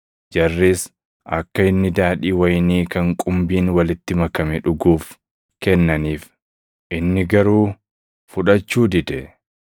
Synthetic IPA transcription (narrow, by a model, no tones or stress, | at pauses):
d͡ʒɐrːis | ɐkːɐɪnːɪd̪aːᶑiːwɐjniːkɐŋkʼʊmbiːnwɐlɪt̪ːɪmɐkɐmɛᶑʊɡuːf | kɛnːɐniːf | ʔɪnːɪɡɐɾuː | fʊᶑɐt͡ʃːuːd̪ɪd̪ɛ